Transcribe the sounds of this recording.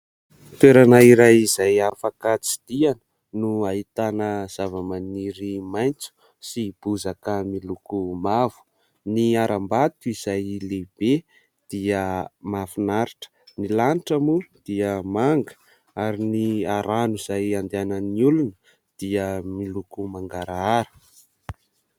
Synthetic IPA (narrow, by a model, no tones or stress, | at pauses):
t̪weɾanaiɾajizajafakat͡si̥d̪̥ianə | nuaɦit̪anəz̥avəmaniɾimajnt͡su̥ | sib̥uzakəmilukumav̥u̥ | niaɾambat̪uiz̥ajleb̥e | d̪̥iəmafunaɾiʈ͡ʂə̥nilaniʈ͡ʂəmud̪̥iəmaŋɡə̥ | aɾiniaɾanuiz̥ajand̪eanəniulunə | d̪̥iəmilukumaŋɡaɾaaɾə̥